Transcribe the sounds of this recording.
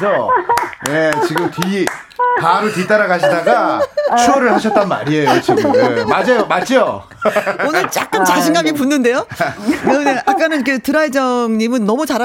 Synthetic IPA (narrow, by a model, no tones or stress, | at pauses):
sʰʌnet͡ɕiɡɯmti | paɾutit͈aɾaɡaɕʰidaɡat͡ɕʰuʌɾɯɭhaɕʰʌt̚t͈ʌnma̰ɾiejot͡ɕiɡɯɯmad͡ʑajomat͡ɕ͈ijo | onɯɭt͡ɕ͈a̰k͈̚ɯnt͡ɕaɕʰiŋɡaɡipunːɯnde̞joneɯneʔak͈anɯnikʰe̞tɯɾaed͡ʑʌŋɲimɯnːʌmut͡ɕaɾa